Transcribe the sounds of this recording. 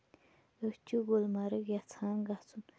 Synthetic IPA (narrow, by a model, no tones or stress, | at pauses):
əht͡ɕəɡolmaɾək̚jat͡sʰaŋɡaht͡son